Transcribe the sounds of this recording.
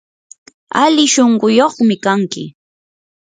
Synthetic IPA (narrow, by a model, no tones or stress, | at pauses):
alɪʃoɴɢʊjoχmɪkaŋkɪ̰